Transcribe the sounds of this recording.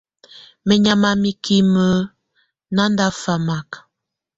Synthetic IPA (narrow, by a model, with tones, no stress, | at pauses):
mə˨ɲa˨ma˨mi˦ki˦mə˦ | na˦nda˦fa˨ma˨k